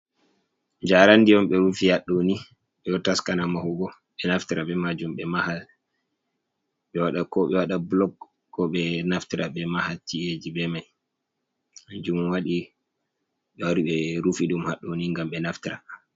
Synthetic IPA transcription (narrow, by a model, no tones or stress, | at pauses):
d͡ʒaɾanːdijɔmɓɛɾufihaɗːoni | ɓɛɔtaskanamahuɡɔ | ɓɛnaftiɾaɓɛmad͡ʒumɓɛmahal | ɓɛwaɗakɔɓɛwaɗablɔɡː | ɔɓɛnaftiɾʔaɓɛmahaltied͡ʒibɛmaj | d͡ʒumnwaɗi | ɓɛwaɾiɓɛɾufiɗumhaɗːoniŋɡamɓɛnaftiɾa